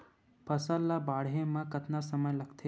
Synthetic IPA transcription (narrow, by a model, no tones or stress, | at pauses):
pʰɐsəlːabaːɽɦemãkɐt̪nasɐməjlɐɡt̪ʰe